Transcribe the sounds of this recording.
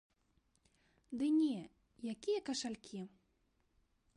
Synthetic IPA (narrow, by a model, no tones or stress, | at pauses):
d̪ɨnʲɛ | jakʲijɐkɐʂalʲkʲi